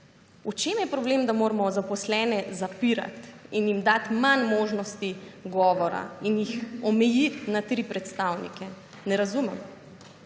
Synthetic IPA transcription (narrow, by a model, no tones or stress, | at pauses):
ut͡ʃemjɛpɾɔbleːmd̪amoːɾmɔzapɔslɛːnɛzapiɾa̰t̪injimd̪at̪manmoːʒnɔst̪iɡɔːʋɔɾa̰injixɔmɛjit̪nat̪ɾipɾɛt̪st̪awnḭkɛ | nɛɾazumɛm